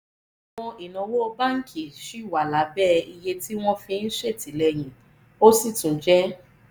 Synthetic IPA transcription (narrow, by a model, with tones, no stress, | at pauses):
w̃ɔ̃˧i˨nɔ̃˨wo˦o˧ba˦ŋ̩˦kʰi˨ʃi˨˦˨wa˨la˨˦bɛ˦˨i˧je˧tʰi˦w̃ɔ̃˦fĩ˧n̩˦ʃe˦˨ti˨lɛ˧j̃ĩ˨ | o˦si˦˨tũ˨d͡ʒɛ˦